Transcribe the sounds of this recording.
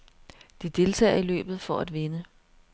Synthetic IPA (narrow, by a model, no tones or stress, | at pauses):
d̥id̥e̝lt͡sʰɛ̰ːɐilø̰ːb̥ð̩ˠfɒæd̥ʋe̝nə